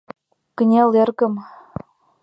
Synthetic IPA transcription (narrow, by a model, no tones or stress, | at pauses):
kənʲelerɣə̆m